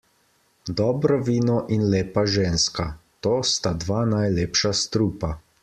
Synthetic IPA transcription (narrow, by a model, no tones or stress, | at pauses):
d̪ɔːbɾɔʋiːnɔʔinleːpaʒeːnskat̪oːst̪ad̪ʋaːnajleːpʃast̪ɾuːpa